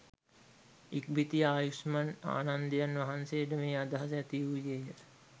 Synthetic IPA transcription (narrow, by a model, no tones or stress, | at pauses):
ik̚bʱit̪ijaːjusmana̰ːnand̪əjanʋɐɦansejəʈəmeːad̪aɦas̬ɛt̪iujejə